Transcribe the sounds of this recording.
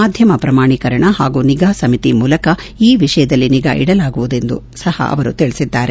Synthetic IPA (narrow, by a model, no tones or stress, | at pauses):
aːd̪ʱjɐmɐpɾɐmaːɳikɐɾɐɳɐɦaːɡuːniɡaːsɐmit̪imuːlɐkɐiːʋiʂɐjɐd̪ɐlːiniɡa̰ʔḭɽɐlaːɡuʋud̪e̞nd̪ṵ | sɐhɐ̰ʔɐ̰ʋɐɾut̪iɭisid̪ːaːɾe